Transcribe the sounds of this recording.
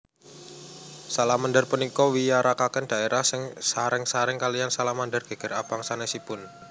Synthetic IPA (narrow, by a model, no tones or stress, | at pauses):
salamandərpənikɔwijaɾʔakakɛnd̥aeɾahsɪŋsaɾɪŋsaɾɪŋkaliansalahmandərɡ̥e̤ɡ̥ə̤rapaŋsanɛsipʊn